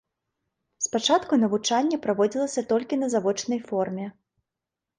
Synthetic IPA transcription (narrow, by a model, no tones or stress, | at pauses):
spat͡ʂat̪kunɐvut͡ʂanʲːɐpɾavɔd͡zʲilˠɐsʲɐt̪ɔlʲkʲinɐzavɔt͡ʂnɐjfɔrmʲɛ